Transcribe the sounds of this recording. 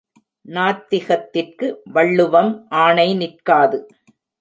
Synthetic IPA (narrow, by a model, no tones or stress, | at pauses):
naːt̪ːɪɣɐt̪ːɪrkɯʋɐɭːɯʋɐmʔaːɳɐɪnɪrkaːðɯ